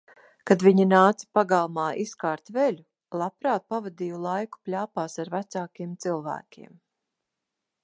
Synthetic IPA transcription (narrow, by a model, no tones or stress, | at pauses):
kad̪viɲinaːt̪si̥paɡalˠmaːʔiskaːɾt̪velu | lˠapɾaːt̪̚pavad̪ijɔlˠajku̥plʲaːpaːsaɾvæt̪saːkiɛmt̪silˠvæ̰ːkʲḭɛm